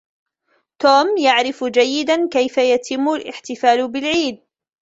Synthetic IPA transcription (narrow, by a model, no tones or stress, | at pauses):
t̪uːmjaʕɾɪfd͡ʒajːɪd̪ankajfajat̪ʰɪmːʊlʔɪ̰ħt̪ɪfaːlbɪlʕiːd̪̚